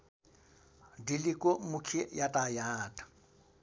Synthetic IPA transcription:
dilɪkʼɔmʊkʰɪjatʼajaːtʼḁ

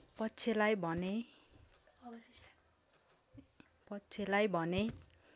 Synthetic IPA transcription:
pʌtːt͡sʰelajbʱʌne | pʌtːt͡sʰelajbʱʌne

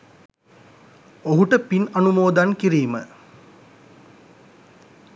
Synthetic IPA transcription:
oɦuʈəpinɐnumoːd̪ankiɾiːmə

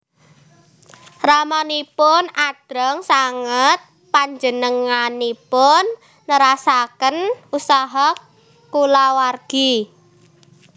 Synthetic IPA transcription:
ramɔnipʊnad̥ɾɔŋsaŋət̪̚ | paɲd͡ʒənəŋanipʊnː | əɾasakənusaɦɔ | kulawarɡ̥i

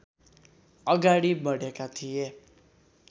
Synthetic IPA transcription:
ʌɡaɽibʌɽekat̪ʰije

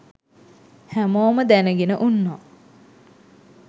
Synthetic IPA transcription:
hæmoːməd̪ænəɡenəʔunːaː

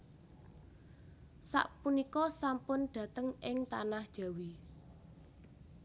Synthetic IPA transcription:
sa̰ʔpunikɔsampʊnɖ̥ä̤t̪əŋʔɪŋt̪anahd̥ʒ̥ä̤wi

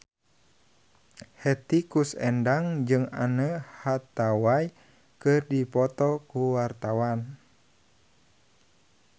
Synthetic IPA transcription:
hɛt̪ikusɛndaŋd͡ʒɨŋa̰nəhat̪awaj | kɨrdipɔt̪ɔkuwart̪awan

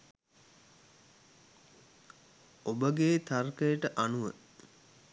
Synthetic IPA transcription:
obəɡeːt̪arkəjəʈəʔanuʋə

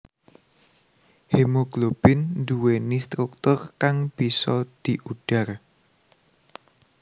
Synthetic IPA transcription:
hemoɡ̥lob̥ɪnd̪uwenist̪ɾuk̚t̪ʊrkaŋb̥isɔd̪̥i̤ʔuɖ̥a̤r

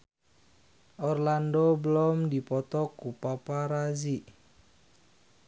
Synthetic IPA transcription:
ʔɔrlandobəlɔmdipɔt̪ɔkupapaɾaziʔ

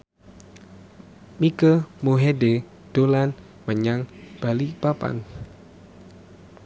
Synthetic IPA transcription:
mikəmoɦede | d̥olan | məɲaŋb̥alipapa̰n

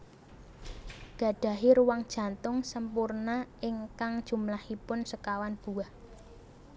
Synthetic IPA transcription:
ɡ̥ä̤ɖ̥ä̤ɦiɾuwaŋd̥ʒ̥ä̤nt̪ʊŋsəmpurnaɪŋkaŋd̥ʒ̥ṳmlahipʊnsəkawanb̥ṳah

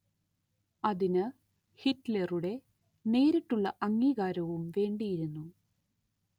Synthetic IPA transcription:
ɐðinɨ | hitːleruɽe̞ | ne̞ːɾiʈːuɭːɐʔɐŋːiːɣaːɾɐʋumʋe̞ːɳɖijiɾunːu

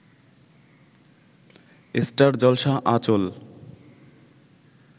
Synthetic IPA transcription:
esʈaɾd͡ʑɔlʃaʔat͡ɕol

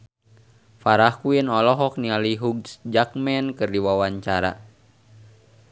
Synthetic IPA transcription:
faɾahkujənɔlɔɦɔk̚nialiɦuɡsd͡ʒak̚mɛnkɨrdiwawaɲt͡ʃaɾa̰

